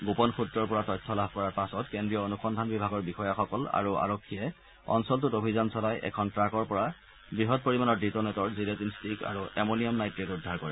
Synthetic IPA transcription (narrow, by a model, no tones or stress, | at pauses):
ɡopɔnxutɹɔɹpɔɹatɔjtʰːɔlab̚ʱkɔɹaɹpasɔtkendɹijɔonuxɔndʱanbibʱaɡɔɹbixɔjaxɔkɔla̰ɹua̰ɹokʰːijɛ | ɔ̰nsɔltutobʱizɔnsɔlajʔɛ̰kʰɔntɹakɔɹpɔɹa | bɹiɦɔt̚poɹimanɔɹditɔnɛtɔɹziletinstika̰ɹuʔemoniɔmnajtɹetudʱːaɹkɔɹɛ